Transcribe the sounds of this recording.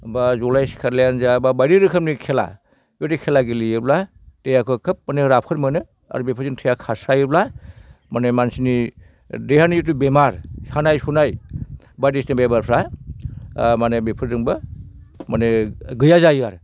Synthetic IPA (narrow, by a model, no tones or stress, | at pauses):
bazɔlajsi̥kʰaɾlejanzababajɾiɾɯkʰɯm̚nikʰela̰ | jotikʰelaɡilijɯbla | dejakʰɯkʰɯp̚maneɾapʰɯɾmɯnɯ | a̰ɾubepʰɯɾzintʰɯjakʰasajɯblamanemansini | dehanijitubemaɾhanajsunaj | bajdisnebebaɾpʰɾa | manebepʰɯɾdɯŋbɯ | maneɡɯjazajɯaɾ